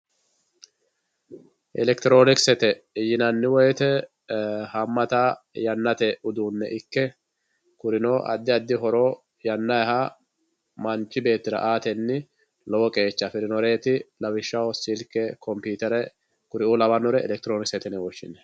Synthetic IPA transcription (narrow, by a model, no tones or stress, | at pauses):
ʔɛlɛkt̪ɪɾo̞ːnɪksɛt̪ɛɪjɪnɐnːɪwɔjɛt̪ɛ | hɐmːɐt̪ajɐnːɐt̪ɛʔʊd̪uːnːɛʔɪkːɛ | kʊɾɪnoːʔɐ̰d̪ːɪɐd̪ːɪɦɔɾoː | jɐnːɐjha | mɐnt͡ʃːɪbe̞ːt̪ːɪɾɐ̰ʔaːt̪ɛnːɪ | lɔwɔkʼe̞ːt͡ʃːɐfɪɾɪnɔɾe̞ːt̪ɪlɐwɪʃːɐwɔsɪlkɛkɔmpuːt̪ɛɾɛ | kʊɾɪuːlɐbɐnɔɾɛɛ̰lɛk̚t̪ɪɾoːnɪksɛt̪ɛnɛwɔʃːɪ̰nːɛ